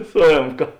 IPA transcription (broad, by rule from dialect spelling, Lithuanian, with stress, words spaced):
sʊ ˈeːmkɐ